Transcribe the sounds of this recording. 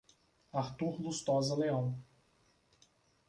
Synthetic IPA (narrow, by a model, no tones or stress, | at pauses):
aɾt̪uɾlust̪ɔzɐleɐ̃w̃